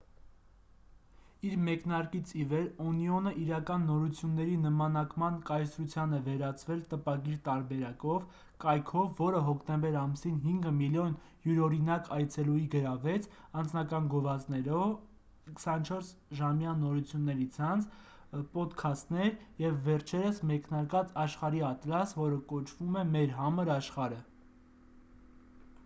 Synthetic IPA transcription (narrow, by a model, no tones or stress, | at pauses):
iɾmɛknɑɾkit͡sʰivɛɾɔniɔnəʔiɾɑkɑnːɔɾut͡sʰjunːɛɾinəmɑnɑkmɑnkɑjsɾut͡sʰjɑnɛvɛɾɑt͡svɛlt̪əpɑɡiɾt̪ɑɾbɛɾɑkɔv | kɑjkʰɔvːɔɾəɦɔkʰt̪ɛmbɛɾɑmsinɦiŋɡəmiljɔn | juɾɔɾinɑkɑjt͡sʰɛlujiɡəɾɑvɛt͡sʰɑnd͡znɑkɑnɡɔvɑt͡snɛɾɔv | kʰə̥sɑnt͡ʃʰɔɾs | ʒɑmjɑnɔɾut͡sʰjunːɛɾit͡sʰɑnt͡sʰ | pɔt̪kʰɑst̪nɛɾjɛvːɛɾt͡ʃʰɛɾəsmɛknɑɾkɑt͡sɑʃχɑɾiɑt̪lɑsvɔɾəkɔt͡ʃʰvumɛmɛɾɦɑməɾɑʃχɑɾə